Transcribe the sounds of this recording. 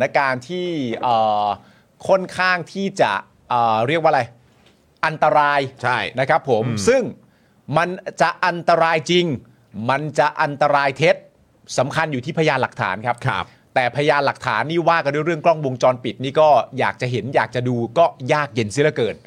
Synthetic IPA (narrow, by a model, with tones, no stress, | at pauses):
na˦˥kaː˧nt̪ʰiː˥˩ʔɤː˨˩ | kʰo˥˩nkʰaː˥˩ŋt̪ʰiː˥˩t͡ɕa̰˨˩ʔ | ʔəː˨˩ɾi˥˩ək̚waː˥˩la˧j | ʔa˧nt̪a˧ɾaː˧jt͡ɕʰa˥˩jna˦˥kʰa˦˥pʰːo˩˦msɯ˥˩ŋ | ma˧nt͡ɕa˨˩ʔʔa˧nt̪a˧ɾaː˧jt͡ɕi˧ŋ | ma˧nt͡ɕa˨˩ʔa˧nt̪a˧ɾaː˧jt̪ʰe˦˥t̪̚ | sa˩˦mkʰa˧njuː˨˩t̪ʰiː˥˩pʰa˧jaː˧nla˨˩k̚t̪ʰa̰ː˩˦nkʰa˦˥p̚kʰ | t̪ɛː˨˩pʰa˧jaː˧nla˨˩k̚t̪ʰa̰ː˩˦nːiː˥˩waː˥˩ka˧nduː˥˩˨jɾɯ˥˩əŋkɾɔ˥˩ŋwo˧ŋt͡ɕɔː˧npi˨˩t̪̚niː˥˩kɔː˥˩jaː˨˩k̚t͡ɕa˨˩ɦe˩˦njaː˨˩k̚t͡ɕa˨˩duː˧kɔː˥˩jaː˥˩k̚je˧nsi˦˥˩la˦˥˩kɤː˨˩n̚